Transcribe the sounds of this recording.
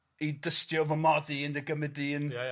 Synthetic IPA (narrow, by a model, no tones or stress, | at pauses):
idəstjɔvəmɔðiəndəɡəmɛdin